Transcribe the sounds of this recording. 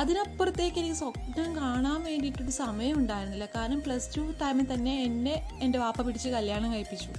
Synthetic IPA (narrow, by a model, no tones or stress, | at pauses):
ɐðinɐpːrɐt̪ːjeːkʲːelikːisoknɐmkaːɳaːmʋe̞ːɳɖiiʈːoɽusɐmɐjɐmuɳɖaːjiɾunːɐðilːɐkaːɾɐnɐmpɭɐstuʈɐjmet̪ɐnːe̞ːnde̞ | ende̞ʋaːpːɐpiɽit͡ɕːɨkɐljaːɳɐmkɐɻipːit͡ɕːu